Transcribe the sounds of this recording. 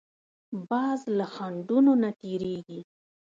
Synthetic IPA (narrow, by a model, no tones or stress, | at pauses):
bɑzlaxaɳɖunonat̪eɾeɡi